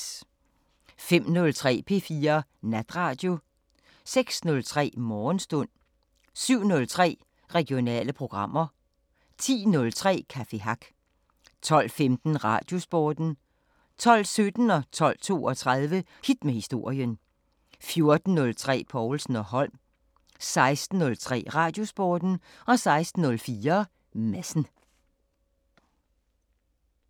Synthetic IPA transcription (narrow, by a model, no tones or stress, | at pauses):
fem̰nɔ̽lt͡sʰʁɛ̰ːpʰe̝fiːɐnæd̥ʁɑ̈ːd̥jo̝ | seɡ̥snɔ̽lt͡sʰʁɛ̰ːmɒːnsd̥ɔn̰ | syʊ̰nɔ̽lt͡sʰʁɛ̰ː | ʁɛɡ̥jo̝nɛ̰ːləpʰʁo̝ɡ̥ʁɑ̈m̰ɐ | t͡sʰḭːnɔ̽lt͡sʰʁɛ̰ːkʰæfe̝ɦɑɡ̥ | t͡sʰɒ̽l̰femd̥n̩ʁɑ̈ːd̥jo̝sb̥ɒːd̥n̩ | t͡sʰɒ̽l̰sød̥n̩ɒ̽t͡sʰɒ̽l̰t͡sʰo̝̰ːɒ̽t͡sʰʁað̞ˠʋə | hid̥mehisd̥o̝ɐ̰jən | fjo̝ɐd̥n̩ːɔ̽lt͡sʰʁɛ̰ːpʰɒʊlsn̩ɒ̽ɦɒ̽l̰m | sɑ̈ɪsd̥n̩ːɔ̽lt͡sʰʁɛ̰ːʁɑ̈ːd̥jo̝sb̥ɔːd̥n̩ | ɒ̽sɑ̈ɪsd̥n̩ːɔ̽lfiːɐ | mæsn̩